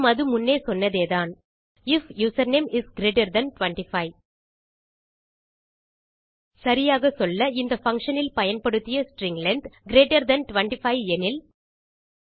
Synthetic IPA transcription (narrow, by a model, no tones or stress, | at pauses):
mɐðɯmʊnːeːsɔnːɐðeːðaːn | ɪfjuːsɐɾneːmɪsɡɪɾeːʈɐɾd̪ɐnʈʋɐɳʈɪfɐɪ | sɐɾɪjaːɣɐsɔlːɐɪnd̪ɐfɐŋkʂɐnɪlpɐjɐnpɐɽɯt̪ːɪjɐsʈɾɪŋɡlɐɳɖɡɪɾeːʈɐɾd̪ɐnʈʊʋɐɳʈɪfɐɪɛnɪl